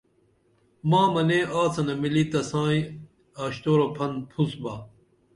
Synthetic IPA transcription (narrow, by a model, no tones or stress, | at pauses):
maːmɐneʔaːt͡sɐnɐmilit̪ɐsãːĩ | aːɕt̪oːɾopʰɐnpʰusbaː